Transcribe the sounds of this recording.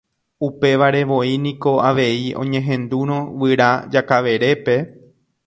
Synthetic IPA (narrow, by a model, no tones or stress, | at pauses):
upe̞ʋaɾe̞ʋo̞inĩko̞aʋe̞iõ̞̰ɲẽ̞ɦẽ̞nd̪uɾ̃õʋɨɾad͡ʒakaʋe̞ɾe̞pe̞